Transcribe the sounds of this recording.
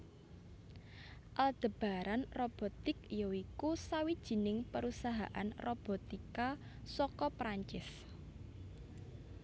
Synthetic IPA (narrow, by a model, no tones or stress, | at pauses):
ʔald̪̥ə̤b̥a̤ɾanrob̥ɔ̤t̪ɪkijoikusawid̥ʒ̥i̤nɪŋpəɾusaɦa̰ʔa̰nrob̥ɔ̤t̪ika | sɔkɔpɾaɲt͡ʃɪs